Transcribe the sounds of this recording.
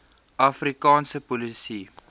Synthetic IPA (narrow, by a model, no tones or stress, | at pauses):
ɐfrikɑːnsəpɔlisi